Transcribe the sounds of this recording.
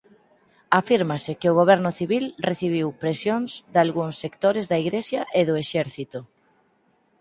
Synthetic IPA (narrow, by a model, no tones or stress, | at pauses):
afiɾmasekeoɣ̞oβ̞ɛɾnʊθiβilreθiβ̞iwpɾesjonzd̪alɣuŋsːekt̪oɾezðaiɣɾesjaʔeðoeʃɛɾθit̪o